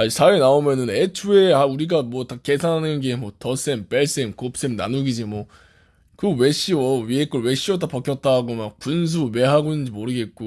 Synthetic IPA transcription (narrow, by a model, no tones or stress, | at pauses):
aisʰawenaomjʌnɯnet͡ɕʰueauɾiɡamwʌtake̞sʰanɦanɯnɡe̞mwʌtʌs͈e̞mp͈e̞ɭs͈emkop̚s͈emnanuɡid͡ʑimwʌ | kɯwe̞ɕ͈iwʌɥiɦek͈ɯɭwe̞ɕ͈iwʌtapakʰjʌt̚t͈aɡomak̚puns̬ʰuwe̞ɦaɡond͡ʑimoɾɯɡe̞t̚k͈o